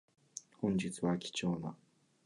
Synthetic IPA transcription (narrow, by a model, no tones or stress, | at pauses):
hõ̞ɲ̟d͡ʑit͡sɨβakʲi̥t͡ɕo̞ːna